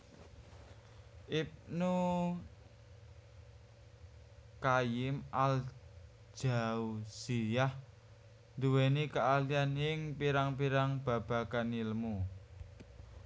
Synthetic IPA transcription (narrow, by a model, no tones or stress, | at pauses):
ʔip̚nu | kajɪmʔal̥ | d͡ʒʒ̥a̤usijah | nd̪uwenikəʔalianɪŋpiɾaŋpiɾaŋb̥a̤b̥a̤kaniləmu